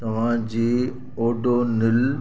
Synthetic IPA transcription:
t̪ɐʋ̤ãd͡ʑiː | oːɖonɪl

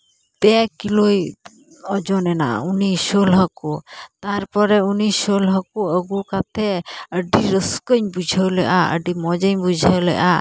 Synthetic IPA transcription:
t̪ɛkiloj | ɔd͡ʒɔnɛna̰unisolɦəkut̪aɾpɔɾɛunisolɦəkuəɡukat̪ʰɛəɖiɾəskəɲbud͡ʒʱəwlɛʔaə̰ɖimɔd͡ʒəɲbud͡ʒʱəwlɛ̰ʔa

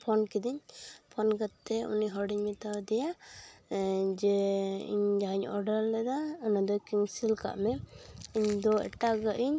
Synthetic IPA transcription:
pʰɔnkid̪iɲpʰɔnɡat̪ːɛṵniɦɔɖiɲmit̪awd̪ɛja | d͡ʒɛḭɲd͡ʒaɲɔɖalːɛd̪aːnad̪ɔkiŋsilka̰ʔmɛiɲd̪ɔɛ̰ʈaɡəʔiɲ

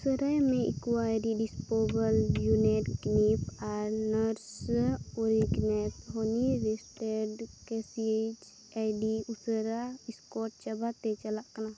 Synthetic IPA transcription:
usəɾajmẽḭkuaɾiɖispobəljuneʈknipʰaɾnəɾsoɾiɡnet̪ɦoniɾesʈeɖkɛsid͡ʒ | ajɖiusəɾaiskɔʈ̚t͡ʃəbat̪et͡ʃəlaʔkna

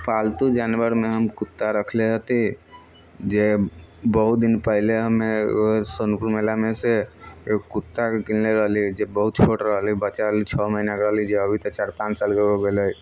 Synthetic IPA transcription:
palt̪ud͡ʒanʋəɾmeɦəmkut̪ːaɾəkʰleɦət̪i | d͡ʒebəɦut̪̚d̪inpəileɦəmeosonpuɾmelameseeokut̪ːakilleɾəɦlid͡ʒebəɦut̪̚t͡ʃʰoʈɾəɦlibəːt͡ʃaɾəlit͡ʃʰɔməɦinakɾəɦlid͡ʒeəbʱit̪ət͡ʃaɾpãnt͡ʃsalkeɡoɡeləj

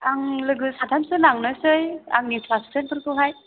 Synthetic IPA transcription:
aŋlɯɡɯsadʱansɯnaŋnɯsɯja̰ŋnipʰlassenkʰɯɾkɯɦaj

